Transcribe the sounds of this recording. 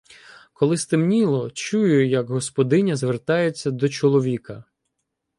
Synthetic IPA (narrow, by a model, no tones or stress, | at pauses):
kɔlˠɪst̪ɪmnʲilˠɔt͡ʃujʊjɐɡɦɔspɔd̪ɪnʲɐzʋert̪ɑjet͡sʲːɐd̪ɔt͡ʃɔlˠɔʋʲikɐ